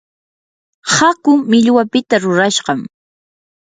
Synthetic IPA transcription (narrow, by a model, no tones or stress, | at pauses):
hakʊmɪʎwapɪt̪aɾʊɾaʃɢɑm